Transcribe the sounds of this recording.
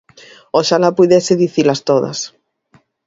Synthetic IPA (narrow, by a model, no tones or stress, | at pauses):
oʃalapujðesɪðiθilast̪oðɐ̰s